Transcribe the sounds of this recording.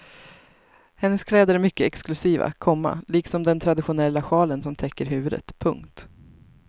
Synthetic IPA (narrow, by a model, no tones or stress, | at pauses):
hɛnːəskʰlɛːd̪əɾæɾmʏkːəɛksklɵsiːva̰kʰɔmːa̰liːksɔmd̪ɛnt̪ʰɾad̪ɪɧʊnɛlːaɧɑːlənsɔmt̪ʰɛkːəɾɦʉ̟ːvɵd̪ə̰t̪pʰɵŋkt̪